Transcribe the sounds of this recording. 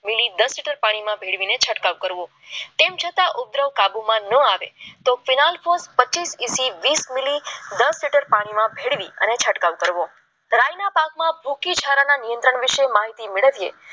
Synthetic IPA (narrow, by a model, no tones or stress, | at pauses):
milid̪əsliʈəɾpaɽ̃imãbʱeɽʋinet͡ʃʰəʈkaʋkəɾʋõ | t̪emt͡ʃʰət̪aʔʊb̚d̪ɾəʋkabumãnəaʋḛt̪ofinalfospət͡ʃisisiʋismilid̪əsliʈəɾpaɽ̃imãbʱeɽʋiə̰net͡ʃʰəʈkaʋkəɾʋo | ɾajnapakmãbʱukit͡ʃʰaɾananijənt̪ɾəɳ̃ʋiʃemaɦit̪imeɭəʋjḛ